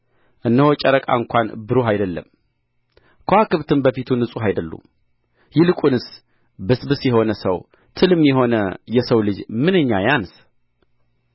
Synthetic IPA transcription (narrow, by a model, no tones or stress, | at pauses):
ʔɨnːəhot͡ʃʼəɾəkʼa̰ɨŋkʷʰanbɨɾuɦajd̪əlːə̰m | kʰəhakɨβt̪ʰɨnbəfit̪ʰunɨsʼuɦajd̪əlːṵ | jɪlɨkʼunɨs | bɨsbɨsjɛɦo̞nəsəw | t̪ʰɨlɨmjɛɦo̞nəjɛsəwlɨd͡ʒmɨnɨɲːajans